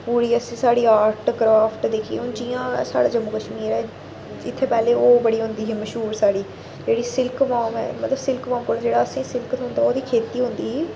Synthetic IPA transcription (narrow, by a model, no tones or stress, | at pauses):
puːɽiːəsĩːsaːɽiːaːɾʈːɡɾaːpʰʈd̪eːkʰiḛʊ̃ːd͡ʒiːãːsa̰ːɽaːd͡ʒəmuːkəʃmiːɾɛː | ɪt̪ʰːeːpɛːleːoːbəɽiːɦʊ̃nd̪iːɦiːməʃɦuːɾsaːɽiː | d͡ʒeːɽiːsɪlkʋaːmɛ̰ːmət̪ləbsɪlkʋãːmkoːɽaːd͡ʒeːɽaːəsĩːsɪlkət̪ɦʊ̃nd̪aːoːd̪iːkʰeːt̪iːɦʊ̃nd̪iːɦː